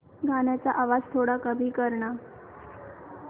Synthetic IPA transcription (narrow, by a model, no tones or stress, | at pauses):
ɡʱanjat͡saʔaʋad͡zt̪ʰoɽakəbʱiːkəɾɳa